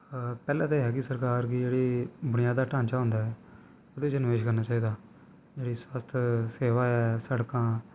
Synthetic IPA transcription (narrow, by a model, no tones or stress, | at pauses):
pɛːlãːt̪eːɦɛːkɪsəɾkaːɾkid͡ʒeːɽiːbʊɽɪjaːd̪aːʈãːɲt͡ʃaːɦõːnd̪aːɦɛː | oːd̪õːt͡ʃənʋeːʃkəɾnaːt͡ʃaːiːd̪aː | d͡ʒeːɽiːsaːst̪ʰseːʋaːɛːsəɽkãː